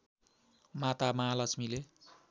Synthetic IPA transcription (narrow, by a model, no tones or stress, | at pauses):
mat̪amaɦalʌsmile